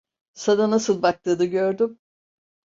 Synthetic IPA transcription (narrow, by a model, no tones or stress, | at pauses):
sad̪anasɯlˠbak̚t̪ʰɯːd̪ɯɟøɾd̪ym